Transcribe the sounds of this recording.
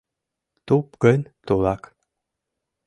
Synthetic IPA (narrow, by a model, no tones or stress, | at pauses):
t̪upɡənʲt̪ulˠɑk